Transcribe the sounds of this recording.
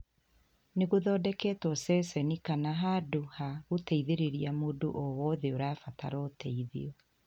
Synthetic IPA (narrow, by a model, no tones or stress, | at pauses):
neɣoðɔːdɛkɛːtwɔsɛsɛnikanaɦadohaɣotɛiðeɾeɾiamodoʔɔwɔðeoɾafata̰ɾɔtʰɛiðḭɔ